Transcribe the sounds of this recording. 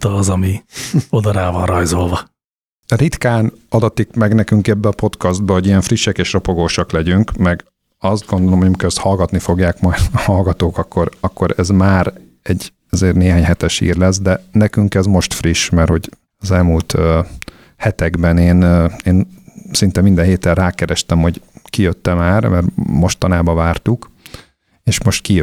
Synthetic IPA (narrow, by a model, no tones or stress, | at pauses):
t̪ːzɒmiod̪ɒɾaːvɒnrɒjzo̞lvɒ | rit̪kaːn | ɒd̪ɒt̪ikmɛɡnɛkyŋkɛbːɛːpo̞t̪kɒzd̪̚bɒho̞ɟijɛɱfriʃːɛkeːʃropo̞ɡoːʃɒklɛɟyŋkmɛɡ | ɒzd̪̚ɡo̞nd̪olomho̞jɒmikɛɛst̪hɒlɡɒt̪nifo̞ɡjaːkmɒjd̪hɒlɡɒt̪oːkɒkʰːo̞ɾɒkːo̞ɾɛzmaːɾ | ɛɟː | ɛzeːrneːɦaːɲɦɛt̪ɛʃḭːrlɛzd̪ɛnɛkyŋkɛzmo̞ʃt̪friʃmɛrho̞ɟ | ɒzɛlmult̪ø | hɛt̪ɛɡbɛneːneːnsint̪ɛmind̪ɛɦeːt̪ɛrraːkɛɾɛʃt̪ɛmho̞ɟkijøt̪ːɛmaːrmɛrmo̞ʃt̪ɒnaːbɒvaːrt̪uk | eːʃmo̞ʃt̪kijø